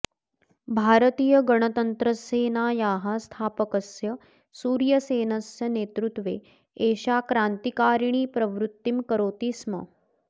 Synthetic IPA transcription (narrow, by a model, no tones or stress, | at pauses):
bʱaːɾət̪iːjɐɡɐɳ̃ət̪ɐnt̪ɾəseːnaːjaːɦast̪ʰaːpəkɐsjɐ | suːɾjɐseːnɐsjɐneːt̪ɾut̪ʋeː | eːʃaːkɾaːnt̪ikaːɾɳ̃iːpɾɐʋɾut̪ːimkɐɾoːt̪ismɐ̰